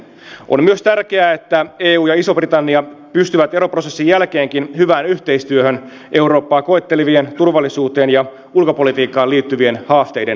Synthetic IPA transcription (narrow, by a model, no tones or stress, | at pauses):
ʔo̞̰mmyøst̪ærk̟eæet̪ːæe̞ːuːjɑiso̞brit̪ɑnːiɑpyst̪yʋæt̪e̞ɾo̞pro̞sesːijælke̞ːŋkinhyʋæːnyçt̪e̞ist̪yøhøn | ʔe̞uwɾo̞ːpːɑːko̞et̪ːeliʋient̪urʋɑlːisuːt̪e̞ːnjɑ | ulkopo̞lit̪iːkːˑɑːliːt̪ːyʋie̞nhɑːst̪e̞jden